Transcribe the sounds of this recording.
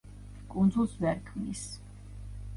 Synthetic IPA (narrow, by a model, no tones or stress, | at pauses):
kʼund̪zulˠsvɛɾkʰmnḭs